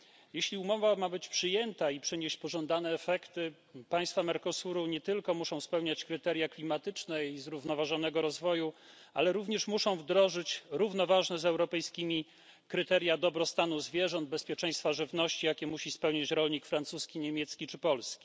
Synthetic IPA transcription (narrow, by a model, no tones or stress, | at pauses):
jeɕlʲiumɔvamabɘt͡ɕpʂɘjɛnt̪aipʂɘɲeɕt͡ɕpɔʐɔnd̪anɛːfɛkt̪ɘ | paj̃st̪famɛɾkɔsuɾuɲɛt̪ɘlkɔmuʂɔ̃w̃spɛwɲat͡ɕkɾɘt̪ɛɾʲjaklʲimat̪ɘt͡ʂnɛizɾuvnɔvaʐɔn̪ɛɡɔɾɔzvɔju | a̰lɛɾuvɲɛʂmuʂɔ̃w̃vd̪ɾɔʐɘt͡ɕɾuvnɔvaʐnɛzɛwɾɔpɛjskʲimʲi | kɾɘt̪ɛɾʲjad̪ɔbɾɔst̪anuzvʲjɛʐɔnd̪̚bɛspʲjɛt͡ʂɛ̃j̃st̪faʐɘvnɔɕt͡ɕijakʲɛmuɕispɛwɲat͡ɕɾɔlɲikfɾant̪suskʲiɲemʲjɛt̪skʲit͡ʂɘpɔlskʲi̥